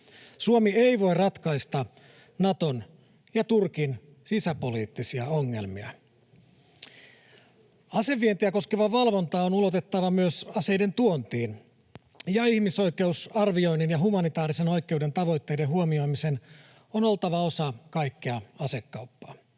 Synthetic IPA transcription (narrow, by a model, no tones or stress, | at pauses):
suomie̞iʋo̞jrɑt̪kɑist̪ɑ | nɑt̪o̞n | jɑt̪urkin | sisæpo̞liːt̪ːisiæo̞ŋːe̞̰lmiɑ̰ | ɑse̞ʋːie̞nt̪iæko̞skeʋɑʋɑlʋo̞nt̪ɑːonulo̞t̪et̪ːɑʋɑmyøsɑsejde̞nt̪uont̪iːn | jɑihmiso̞jke̞usɑrʋio̞inːinjɑɦumɑnit̪ɑːɾise̞no̞jkːˑe̞wde̞nt̪ɑʋo̞jt̪ːe̞jdeɦuomio̞imise̞n | ono̞lt̪ɑʋɑo̞sɑkɑjkːiɑɑse̞kːɑwpːɑ̥ː